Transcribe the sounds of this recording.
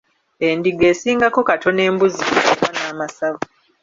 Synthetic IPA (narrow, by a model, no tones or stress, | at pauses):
endiɡe̞ːsiːŋɡako̞katʰo̞ne̞ːmbuzikakaβanaːmasaβo